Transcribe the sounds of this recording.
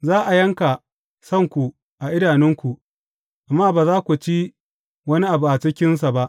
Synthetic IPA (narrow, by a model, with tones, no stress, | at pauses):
zaː˦ʔa˨jɐ˦ŋka˨ | sɐ˦˨ŋkʷu˨ | ʔa˨ʔɪ˦daː˨nɪ˦ŋkʷu˨ | ʔa˨mːaː˦baː˨zaː˦kʷu˨t͡ʃi˦ | wɐ˦ni˦ʔa˨bu˨ʔa˨t͡ʃɪ˦kʲɪ˦ns̬a˨ba˦ʔ